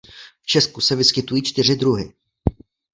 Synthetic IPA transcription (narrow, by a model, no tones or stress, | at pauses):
ft͡ʃɛskusɛvɪskɪt̪ujiːt͡ʃt̪ɪr̝ɪd̪ɾuɦɪ̰